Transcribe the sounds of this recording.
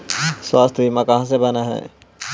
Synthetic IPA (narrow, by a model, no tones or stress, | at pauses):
swaːst̪ʰbimãkɐɦãs̬ebɐnaɦɛ̰ː